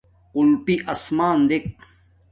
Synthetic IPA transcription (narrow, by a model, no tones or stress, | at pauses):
qulpiʔɐsmaːnd̪ek̚